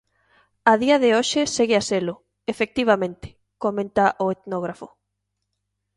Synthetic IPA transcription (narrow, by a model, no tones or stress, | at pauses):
aðiɐðɪoʃɪseɣɪaselʊ | efek̚t̪iβ̞amẽnt̪ɪ̥ | komẽnt̪aʔoet̪noɣ̞ɾafʊ